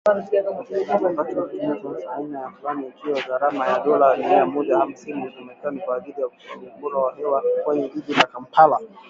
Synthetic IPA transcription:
azambatuaimɛzuuzaainajafulanid͡ʒiɔɣaɾamajaɗɔlanijamɔɗaham̩siniɛzamɛkanikwaːʄilijaku̥sɔlumbuɾawahɛwakwɛɲɛʄiʄilakam̩pʰala

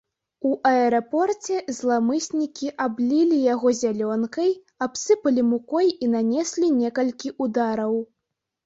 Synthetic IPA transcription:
uʔɐɛɾapɔrt͡sʲɛzlˠamɨsʲnʲikʲiʔablʲilʲijaɣɔzʲalʲɔnkɐj | apsɨpɐlʲimukɔjinanʲɛsʲlʲinʲɛkɐlʲkʲiʔud̪aɾɐw

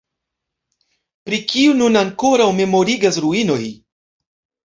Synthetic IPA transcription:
pɾikiununaŋkoɾawme̞mo̞ɾiɡasɾuino̞j

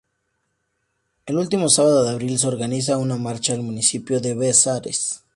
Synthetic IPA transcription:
e̞lult̪imo̞saβaðoðeaβɾils̬eo̞ɾɣanis̬aunamaɾt͡ʃaelmũnisipjo̞ðe̞βesaɾḛs

